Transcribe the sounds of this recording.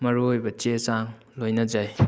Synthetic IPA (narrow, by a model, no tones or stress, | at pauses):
mɐɾuojbɐt͡ʃesaŋ | lojnɐd͡ʒaj